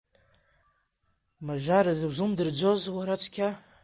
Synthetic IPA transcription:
maʒʷaɾazazumdɨrd͡ʒʷozwaɾat͡ʃʷʰkʲʰa

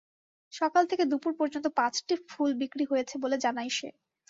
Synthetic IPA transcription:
ʃɔkalt̪ʰeked̪upuɾpɔɾd͡ʑont̪̬opãt͡ɕʈifulbikɾiɦojet͡ɕʰeboled͡ʑanajʃḛ

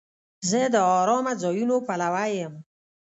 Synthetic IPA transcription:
zəd̪əɔɾɔːmad͡zɔjunopalawajəm

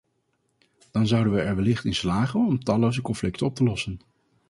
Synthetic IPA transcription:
d̥ɑnzʌwdənʋəɛɹʋəlɪχtɪnslaːχənɔmtɑlowzəkɔnflɪktənɔp̚təlɔsən

